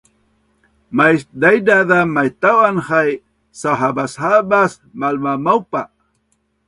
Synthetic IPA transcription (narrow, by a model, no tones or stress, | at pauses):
majd̪ajd̪aðamajt̪awanχaj | saɦabashabas | malmamawpa